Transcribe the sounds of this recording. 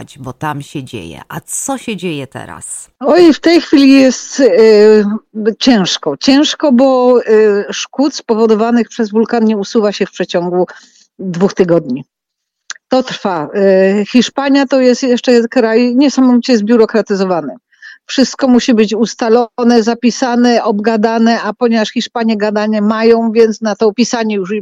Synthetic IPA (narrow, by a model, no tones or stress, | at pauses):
d͡ʑbɔt̪amɕɛd͡ʑḛjɛ̰ʔasɔɕɛd͡ʑejɛt̪ɛ̰ɾa̰s | ɔjft̪ɛjxfʲilʲijɛst̪ | t͡ɕɛ̃w̃ʂkɔt͡ɕɛ̃w̃ʂkɔbɔ | ʂkut̪spɔvɔd̪ɔvanɘxpʂɛzvulkanɲɛusuvaɕɛfpʂɛt͡ɕɔŋɡu | d̪vuxt̪ɘɡɔd̪ɲi | t̪ɔt̪ɾfaxʲiʂpaɲjat̪ɔjɛst̪jɛʂt͡ʂɛkɾajɲɛsamɔvʲit͡ɕɛzbʲjuɾɔkɾat̪ɘzɔvanɛ | fʂɘst̪̚kɔmuɕibɘt͡ɕust̪alɔnɛzapʲisanɛʔɔbɡad̪anɛapɔɲɛvaʂxʲiʂpaɲjɛɡad̪aɲɛmajɔ̃w̃vʲjɛnt̪snat̪ɔːpʲisaɲɛjuʂi